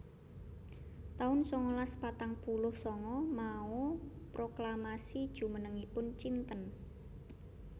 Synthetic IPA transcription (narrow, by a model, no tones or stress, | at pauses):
t̪aʊnsɔŋɔlaspat̪aŋpulʊhsɔŋɔmau | pɾoklamasid̥ʒ̥ṳmənəŋipʊnt͡ʃint̪ən